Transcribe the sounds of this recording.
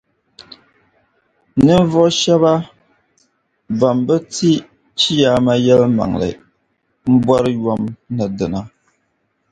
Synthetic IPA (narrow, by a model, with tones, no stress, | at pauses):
nɨ˦n˦vɔ˦ʃɛ˦βa˦ | ba˨mbɛ˦ti˦ | t͡ʃi˦jaː˦ma˦jɛ˦lma̰˨ŋ˨lɨ̰˨ | m̩˦bwɔ˦ɾɨ˦jɔ˦mna˨dɨ˨na˦